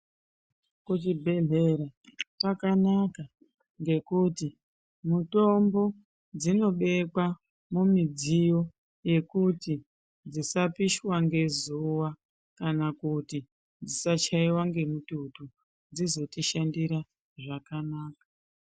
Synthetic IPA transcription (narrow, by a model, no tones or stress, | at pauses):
kut̬ibʱe̞ɮe̞ɾapakanaka | ŋɡe̞kuti | muto̞mbo̞ | d͡zino̞ɓe̞kwa | mumid͡zijo̞ | je̞kuti | d͡zisapiʃwaŋɡe̞zuwa | kanakuti | d͡zisat͡ʃaiwaŋɡe̞mututu | d͡zizo̞tiʃandiɾa | ʐakanaːkḁ